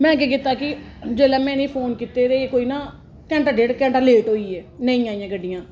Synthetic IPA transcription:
mɛ̃ːkeːkɪt̪ːaːkɪ | d͡ʒeːlɛːmɛ̃ːneĩːpʰoːnkiːt̪eːɾeːeːkoːiːnãː | kɛ̃ːɳʈaɖeːɽkɛ̃ːɳʈəleːʈɦoːiːɛːnəĩːaːĩjãːkəɖɪjãː

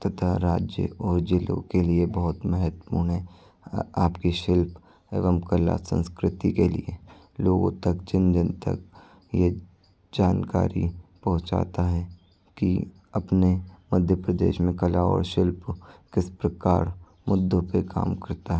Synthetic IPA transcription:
t̪ɐt̪ʰaɾaːd͡ʒjə̰ɔːɾd͡ʒɪlõ̰keliebɔɦʊt̪mɛɦət̪wə̥puːɳɦɛ̃ | aːpkiʃɪlp | ḛːʋəmkəla̰sə̰̃nskɾɪt̪ikelḭe | loːɡõ̰t̪ɐkt͡ʃɪ̃nd͡ʒənt̪ɐ̰k | je | d͡ʒaːnka̰ːɾḭpɐɦʊ̃t͡ʃa̰ːt̪aɦɛ | ki | ɐpnemɐd̪ʱjəpɾəd̪ḛːʃmẽkɐlaɔ̰ːɾʃɪlpkɪspɾɐkaːɾ | mʊd̪ːõpeka̰ːmkɐɾt̪aɦɛ

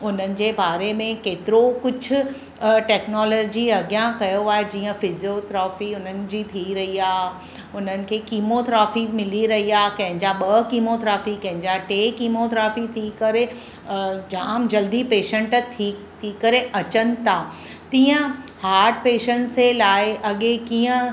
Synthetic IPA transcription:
ʊn̤ənɪ̆d͡ʑeːbaːɾemẽkeːt̪ɪɾokʊd͡ʑʱʊ̆ | ʈɛːknɔːlɔːd͡ʑiɐɡjãkɐjoaːɦed͡ʑiːə̃fɪzijot̪ɾaːfiʊn̤ənɪ̆d͡ʑiːt̪ʰiɾɐɦiaːɦ | ʊn̤ənɪ̆kʰeːkiːmot̪ɾaːfimɪliɾɐɦiaːɦkɐ̃ɦɪ̃ɲd͡ʑaɓɐkiːmot̪ɾaːfikɐ̃ɦɪ̃ɲd͡ʑaʈeːkiːmot̪ɾaːfit̪ʰikɐɾe | d͡ʑaːmd͡ʑɐld̪ipeːʃə̃ɳʈt̪ʰiː | t̪ʰiːkɐɾeʔɐt͡ɕənɪ̆t̪ʰaː | t̪ĩːə̃haːɾʈ̚peːʃənselaːɪʔɐɠekiːə̃

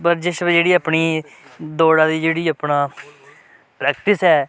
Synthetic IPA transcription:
pəɾd͡ʒɪʃbd͡ʒeːɽiːaːpɳiː | d̪oːɽãːd̪iːd͡ʒeːɽiːapɳaː | pɾɛːk̚ʈɪsɦɛː

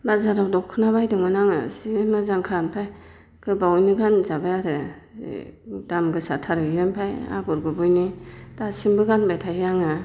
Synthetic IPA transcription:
bazaɾawdɔkʰunabajdɯŋmanaŋa̰simɯzaŋkʰaampʰaj | kɯbawjniɡanzabajaɾɯ̰ | damɡɯsatʰaɾɯjɯmpʰaja̰ɡɔɾɡɯbujnid̥asimbɯɡanbajtʰajjaŋa

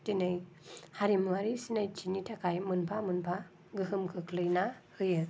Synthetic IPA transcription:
tinɯj | haɾimwaɾisinajt͡ʃinitʰakʰajmɯnpʰamɯnpʰa | ɡɯɦɯmkʰɯkʰlɯjnahɯjɯ

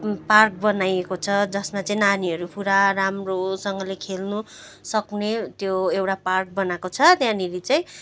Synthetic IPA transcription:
park̚bʌnajekot͡sʰʌd͡zʌsmat͡sʌĩnaniɦʌɾupuɾaramrosʌŋɡʌlekʰelnu | sʌknet̪joewʈapark̚bʌnakot͡sʰʌt̪jãniɾit͡sʌĩ

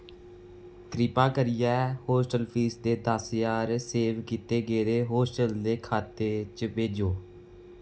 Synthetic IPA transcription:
kɾɪpaːkəɾɪjɛːhoːsʈəlpʰiːsd̪eːd̪aːsjaːɾseːʋkiːt̪eːɡeːd̪eːɦoːsʈəld̪eːkʰaːt̪eːt͡ʃbeːd͡ʒoː

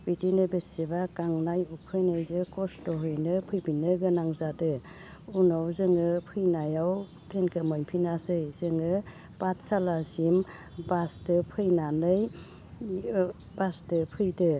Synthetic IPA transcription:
bitinɯbesibakaŋnajukʰɯjnɯjzɯkɔstɔɦɯjnɯpʰɯjbinɯɡɯnaŋzadɯ | unawzɯŋɯpʰɯjnajaw | tɾenkɯmɔnpʰinasɯjzɯŋɯ | b̥at̚salasim | bastɯpʰɯjnanɯj | bastɯpʰɯjdɯ

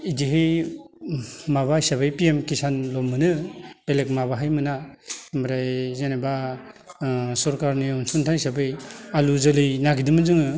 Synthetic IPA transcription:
idiɦɯj | maβasabajpiemkisanlɔmːɯnɯpelek̚mabaɦajmɯnamɾajzenaba | sɔɾkaɾniɔnsuntʰajsabɯjaluzɯlɯjnaɡidɯmɯzɯŋɯ

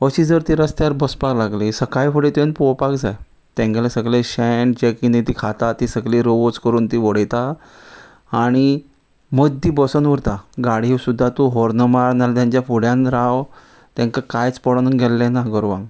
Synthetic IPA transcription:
əɕiːd͡zəɾt̪iːɾəst̪jaɾbəspaklaɡlisəkajfuɽet̪ẽnpopakd͡zaj | t̪ẽŋkalesəɡlẽɕɛɳʈd͡ʑekinet̪ikʰat̪at̪isəɡliɾoʋot͡skəɾuːnt̪iʋəɽəjt̪aː | ɽ̃i | məd̪ʱːibəsənʋəɾt̪aɡaɽ̤iːwsud̪ʱːat̪uɦɔɾnəmaɾnalt̪jãɲt͡ɕjafuɽjãnɾaw | t̪ɛ̃ŋkakajt͡spɔɽənunɡʱɛlːenaɡɔɾʋãŋɡ

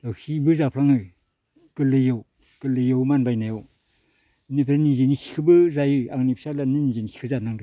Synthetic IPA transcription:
lawhʰibɯzapʰɾaŋɯ | ɡ̥ɯlɯjaw | ɡ̥ɯlɯjawmanbajnajaw | inepʰeɾaninzenikʰi̥kʰɯbɯzajɯaŋnipʰsalanɯninzenikʰi̥kʰɯzanaŋdɯ

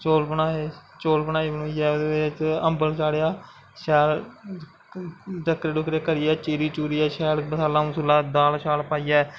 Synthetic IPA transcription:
t͡ʃoːlpənaːeːt͡ʃoːlpənaːiːbənuːiːɛːd̪eːet͡ʃə̃mbəlt͡ʃaːɽjaː | ʃɛːl | ʈəkɾeːɖʊkɾeːkəɾɪːɛːt͡ʃiːɾiːt͡ʃuːɾiːɛːʃɛːlbəsaːlaːũːsʊlːaːd̪aːlʃaːlpaːiːɛː

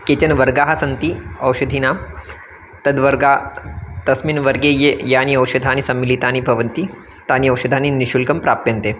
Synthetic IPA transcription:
keːt͡ɕɐnʋɐɾɡaːɦɐsɐnt̪iɐwʃɐd̪ʱinaː | t̪ɐd̪ʋɐɾɡaːt̪ɐsminʋɐɾɡeːjejaːniɐwʃɐd̪ʱaːnisɐmːilit̪aːnibʱɐʋɐnt̪i | t̪aːniɐwʃɐd̪ʱaːniniʃulkɐmpɾaːp̚t̪ɐnt̪eː

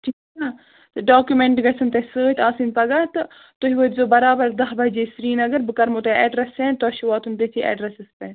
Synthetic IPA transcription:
ʈʰika | t̪ɨɖaːkjumeɳʈɡɐsʰɨnt̪ɐsəːt̪ʰʲaːsinpɐɡɐt̪ɨ | t̪oɦiʋəːt̪zoːbɐɾaːbɐɾd̪ɐɦbɐd͡ʒeːsɾiːnɐɡɐɾbɨkɐɾmot̪eɛːɖɾɐsẽːnt̪oɐʃuʋaːt̪unt̪et̪ʰiʔɛ̰ːɖɾɐsɨspɛːn

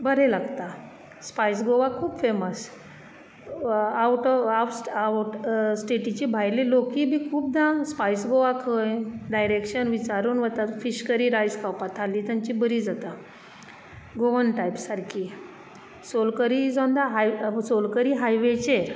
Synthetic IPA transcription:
bəɾelaɡt̪a | spajs̬ɡoʋakʰuːbfeməs | awʈɔawsʈsʈeʈit͡ɕibʱajlilokiːbʱikʰuːp̚d̪ãspajsɡoʋakʰəjɖajɾekɕənʋit͡ɕaɾuːnʋət̪afiɕkəɾiːɾajd͡zkʰawpat̪ʰaliːt̪aɲt͡ɕibəɾid͡zat̪a | ɡoʋənʈajpsaɾkʰi | solkəɾid͡zɔnd̪aɦajsolkəɾiːɦajʋet͡ɕeɾ

